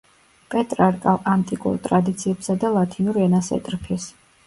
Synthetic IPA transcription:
pʼɛt̪ʼɾaɾkʼalant̪ʼikʼṵɾt̪ʼɾad̪it̪sʰiɛpsad̪alˠat̪ʰinuɾiɛnasɛ̰t̪ʼɾpʰis

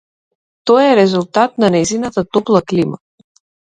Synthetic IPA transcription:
t̪ɔjɛɾɛzulˠt̪at̪̚nanɛjzinat̪at̪ɔplˠaklima

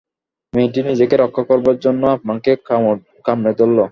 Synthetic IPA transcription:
mejʈ̬inid͡ʑekeɾɔkʰːakoɾbaɾd͡ʑonːoapmaŋke | kamned̪olːo

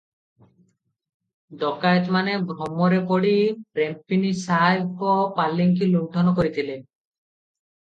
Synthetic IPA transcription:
d̪ɔkajt̪manebɾɔmɔɾepɔɽipɾempinisajbkɔpalːiŋk̬iluʈʰɔnɔkoɾit̪ʰile

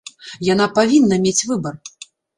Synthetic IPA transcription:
janapavʲinːɐmʲet͡sʲvɨbɐr

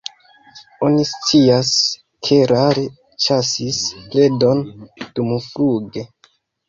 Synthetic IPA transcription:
o̞nist͡sias | kʰe̞ɾaɾe | t͡ʃasisple̞do̞nd̥umufɾuɡe̞

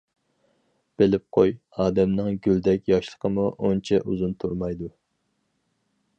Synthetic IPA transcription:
b̥elɪp̚qʰoj | ɑːd̪ɛmnɨŋɡʲyld̪ɛkʲjɑʃlˠə̥qʰəmuʔont͡ʃʰɛʔuzunt̪ʰuɾmɑjd̪u

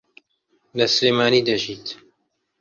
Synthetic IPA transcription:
lɐsɨleːmaːniːd̪ɐʒiːt̪

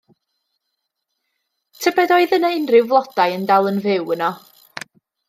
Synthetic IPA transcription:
tʰəbɛdɔɨðənəɪnrɪwvlˠɔd̥ajəndalˠənvɪwənɔ

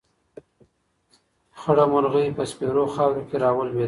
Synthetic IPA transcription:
xəɽamʊlɣəpəspeɾoxɑwɾokeɾɑwəlwe

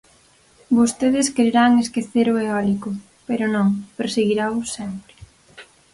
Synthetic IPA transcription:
bost̪eðɪskeɾeɾaŋeskeθeɾoeɔlikʊ | peɾʊnõŋpeɾseɣiɾaʊsɛmpɾɪ̥

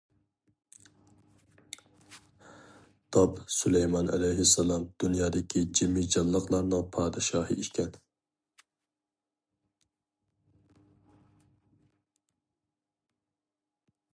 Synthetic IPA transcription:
t̪ʰɑpsulɛjmɑnʔɛ̰lɛjɦɪsːɛlˠɑmd̪̥unjɑːd̪ɪkʲʰid͡ʒimːɪd͡ʒɑlˠːəqlˠɑɾnɨŋpʰɑːd̪ɨʃɑːhɨiʃkʲʰɛn

